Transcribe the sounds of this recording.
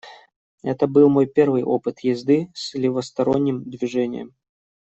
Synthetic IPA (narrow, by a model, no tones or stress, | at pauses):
ɛt̪əbɨlˠmo̞jpʲe̞rvɨjʔo̞pɨt̪jɪzd̪ɨsʲlʲɪvəst̪ɐɾonʲːɪmd̪vʲɪʐɛnʲɪ̰jə̰m